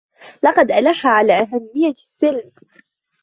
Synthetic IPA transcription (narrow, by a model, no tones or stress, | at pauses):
lɑqɑd̪ʔalaħːaʕalaːʔaɦamːɪjːasɪlm